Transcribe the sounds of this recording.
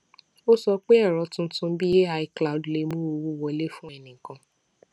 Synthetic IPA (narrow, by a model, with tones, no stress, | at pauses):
o˦sɔ˧k͡pe˦ɛ˦˨ɾɔ˨˦tũ˦n̩˦tũ˧˦bi˦e˦a˧i˧kla˨o˨du˨le˧˦mũ˦o˧wu˦wɔ˧˦le˦fũ˦ɛ˦˨nĩ˨ŋ̩˨kã˧